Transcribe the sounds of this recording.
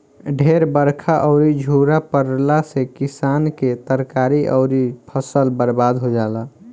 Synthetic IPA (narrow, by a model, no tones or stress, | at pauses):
ɖʱeɾbəɾkʰaʔɔʊɾid͡ʒʱuːɾapəɾlasekɪsaːnket̪əɾkaɾiʔɔ̰ʊɾipʰəsəlbəɾbad̪ɦod͡ʒaːla